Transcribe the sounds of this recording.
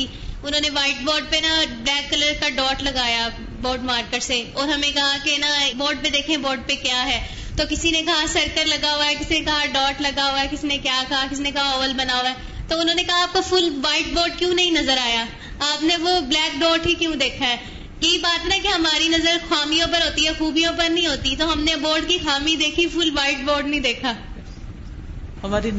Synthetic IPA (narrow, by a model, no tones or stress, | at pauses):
i | ʊnõːneʋaːɪʈ̚bɔːɖ̚penɐblɛːkːɐləɾkaɖɔːʈlɐɡaːja | bɔːɖmaːɾkəʈseɔːɾɦɐmẽkɐɦakenabɔːɖ̚ped̪eːkʰẽbɔːɖ̚pekjaːɦɛː | t̪okɪsinekɐɦasɐɾkəɾlɐɡaɦoaɛkɪsinekɐɦaɖɔːʈlɐɡaɦoaɛkɪsinekjaːkɐɦakɪsinekɐɦaɔːʋəlbɐnaːoaɛː | t̪oʊnɦõːnekɐɦaaːp̚kofʊlʋaːɪʈboːɾɖ̚kjũːnɐɦĩnɐzəɾaːjaː | aːpneʋoblɛːk̚ɖɔːʈkikjũːd̪eːkʰaɦɛː | jeibaːt̪nakeɦɐmaːɾinɐzəɾxaːmijõpɐɾɦoːt̪iɦɛxuːbijõpɐɾnɐɦĩɦoːt̪it̪oɦɐmneɐboːɾɖkixaːmĩd̪eːkʰifʊlʋaːɪʈ̚boːɾɖnɐĩd̪eːkʰaː | hɐmaːɾi